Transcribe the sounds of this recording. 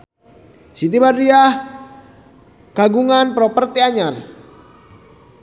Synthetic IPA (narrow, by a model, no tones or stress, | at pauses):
sit̪̬ibariah | kaɡuŋanpɾɔpərt̪iaɲar